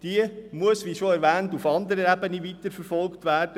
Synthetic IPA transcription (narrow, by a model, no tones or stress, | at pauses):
d̥iəmuəsʋiːʃoɛɾʋæːntufɑnd̪əɾəɾæbəniʋitəɾfəɾfɔlktʋæːrd̥ə